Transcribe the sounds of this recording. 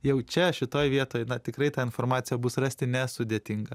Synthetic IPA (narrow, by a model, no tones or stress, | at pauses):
jɛʊt͡ʃʲɛʃʲɪt̪oːjʋʲiɛt̪oːjnɐt̪ʲɪkɾɐɪt̪ɑːɪnformɑːt̪sʲɪjɛbʊsrɑsʲt̪ʲɪnʲɛsʊd̪ʲeːt̪ʲɪŋɡɐ